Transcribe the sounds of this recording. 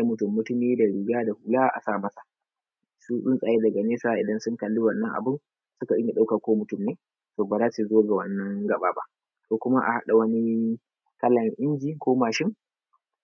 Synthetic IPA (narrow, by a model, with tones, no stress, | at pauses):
a˦mʊ˦tʊ˨mːʊ˦tʊ˦miː˦da˨ɽɪ˨ɡaː˦da˨hu˨laː˦ʔa̰˨saː˦˨mɐ˦sa˨ | su˦ɗʊ˦nsʼaː˨je˦dɐ˨ɡa˨neː˦saː˦ʔɪ˨dɐ˦nsʊ˦ŋkɐ˨lːi˦wɐ˨nːɐ˦ŋʔa̰˨bʊ˦n | sʊ˦ka˨ʔɪ˦ɲa˨ɗa˦wka˨kʷoː˦mʊ˦tʊ˦˨mneː˦ | toː˨baː˨zaː˦si˨zoː˦ɡa˨wɐ˨nːɐ˦ŋɡɐ˨ɓaː˦ba̰˦ʔ | toː˨kʷʊ˦ma˦ʔa̰˨ha̰˦ɗa˨wɐ˦ni˦ | kɐ˦lɐ˨ŋʔɪ˦nd͡ʒiː˦koː˦maː˨ʃɪ˦ŋ